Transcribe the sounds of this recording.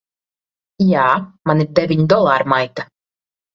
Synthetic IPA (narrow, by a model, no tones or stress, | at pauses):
jaːmaniɾd̪ɛvʲiɲd̪ɔlˠaːɾmajt̪a